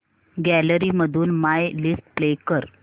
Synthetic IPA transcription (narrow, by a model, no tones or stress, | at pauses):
ɡæləɾiːməd̪ʱuːnmajlisʈ̚plekəɾ